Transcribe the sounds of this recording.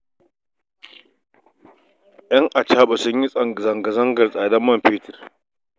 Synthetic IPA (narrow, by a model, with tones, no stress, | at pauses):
ʔɐ˦ŋʔa˨t͡ʃaː˦ɓa˨sʊ˦ɲji˦sʼɐ˨ŋ˨zɐ˨ŋɡa˨zɐ˦ŋɡɐ˨rsʼaː˨dɐ˦mːɐ˦mɸiː˦tɪ˨r